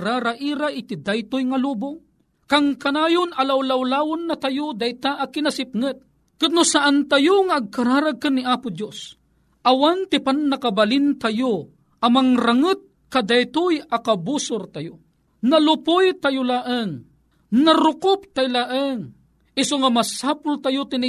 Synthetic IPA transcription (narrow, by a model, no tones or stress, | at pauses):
ɾaɾaʔiːɾaʔɪt̪ɪd̪ajt̪ʊjŋaluːbʊŋ | kaŋkɐnaːjʊnɐlawlawlaːwʊnːɐt̪ajod̪ajt̪aʔɐkɪnasɪp̚ŋɨt̪̚ | kɨt̪̚nʊsaʔant̪ajʊŋaʔːɡ̚kaɾaːɾaɡ̚kɨnːiʔaːpʊd̪jos | ʔawant̪ɪpannɐkabalɪnt̪ajo | ʔɐmaŋɾaŋɨt̪̚ | kad̪ajt̪ʊjakabusʊɾt̪ajo | nɐlʊpʊjt̪ajʊlaːʔəŋ | nɐɾʊkʊp̚t̪ajlaʔəŋ | ʔɪsoŋamɐsaːpʊlt̪ajot̪ɪnɪ